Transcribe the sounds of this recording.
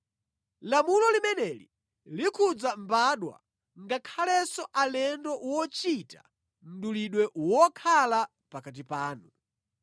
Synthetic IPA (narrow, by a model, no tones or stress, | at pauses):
lamulɔlimɛnɛlḭ | likʰud͡zambaɗwa̰ | ŋɡakʰalɛsɔʔalɛndɔwɔt͡ʃitḁ̰ | m̩ɗuliɗwɛʔwɔkʰala | pakat̬ipaːnu